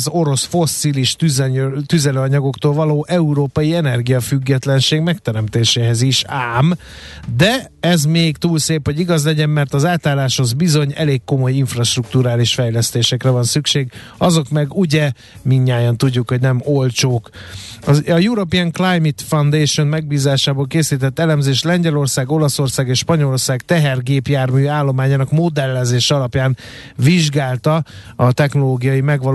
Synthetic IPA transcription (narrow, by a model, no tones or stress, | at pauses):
zo̞ɾo̞sfo̞sːiliʃt̪yzt̪yzɛløːɒɲɒɡo̞kt̪oːlvɒloːʔɛuɾoːpɒjiɛnɛrɡijɒfyɡːɛt̪lɛnʃeːɡmɛkt̪ɛɾɛmt̪eːʃeːɦɛziʃaːm | d̪ɛɛzmeːɡt̪uːlseːpho̞ɟiɡɒzlɛɟɛmːɛrt̪ɒzaːt̪aːlːaːʃho̞zbizo̞ɲɛ̰leːkːo̞mo̞jiɱfrɒʃt̪ruk̚t̪uɾaːliʃfɛjlɛst̪eːʃɛkrɛvɒnsykʃeːɡ | ɒzo̞kmɛɡuɟɛ | miɲːaːjɒnt̪uɟːukho̞ɟnɛmolt͡ʃoːkɒɒjuɾo̞piɛŋklajmit̪fɒnd̪eːʃonmɛɡ̚biːzaːʃaːboːlkeːsiːt̪ɛt̪ːɛlɛmzeːʃlɛɲɟɛlo̞rsaːɡo̞lɒso̞rsaːɡeːʃʃpɒɲo̞lorsaːɡt̪ɛɦɛrɡeːpjaːrmyːaːlːo̞maːɲaːnɒkmod̪ɛlːɛzeːʃɛɒlɒpjaːn | viʒɡaːlt̪ɒɒt̪ɛxno̞loːɡijɒjimɛɡʋɒ